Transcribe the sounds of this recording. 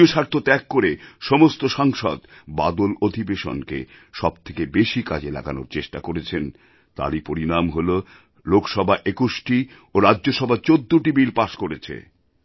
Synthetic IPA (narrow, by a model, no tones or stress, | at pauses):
oʃaɾt̪ʰot̪ɛkːoɾeʃɔmost̪oʃaŋʃɔ̰d̪bad̪olod̪ʱibeʃo̰nkḛʃɔbt̪ʰekebeʃika̰d͡ʑela̰ɡa̰no̰ɾt͡ɕeʃʈakoɾet͡ɕʰen | t̪a̰ɾipoɾinamɦolo | lokʃɔbʱaʔekuʃʈi | oɾadːoʃɔbʱat͡ɕod̪ːoʈibilpaʃkoɾet͡ɕʰḛ